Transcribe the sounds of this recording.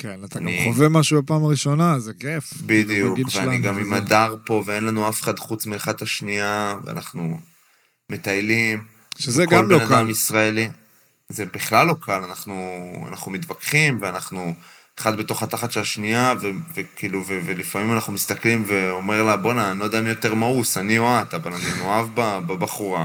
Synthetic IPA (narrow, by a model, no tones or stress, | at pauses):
kenat̪aɡnaiχovemaʃubapaːmaʁiʃo̞nazekefbid̪ijukkveaniɡamimad̪aʁpo̞vee̞nlanuafe̥χad̪χut͡smilχat̪aʃniavḛa̰naχnu | me̞t̪ajlim | ʃezekɡolmleonakdamisʁaeli | zebiχlalːo̞kʰalanaχnua̰naχnumit̪vakχimveanaχnu | eχad̪beto̞χat̪aχat̪ʃelaʃniavevekiluvevelifamimanaχnumist̪aklimveo̞me̞ʁlabo̞nanod̪anijot̪e̞ʁmausanioat̪avalaninoavbababaχuʁa